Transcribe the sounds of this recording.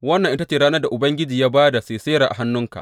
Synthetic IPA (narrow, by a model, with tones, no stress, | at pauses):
wɐ˦nːɐ˨ŋʔɪ˦ta˦t͡ʃeː˨ɾɽaː˦nɐ˦da˨ʔʊ˨bɐ˦ŋɡʲɪ˦d͡ʒiː˨jaː˦baː˦da˨seː˨seː˦ɾaː˨ʔa̰˨ɦa˦nːʊ˦ŋka̰˨ʔ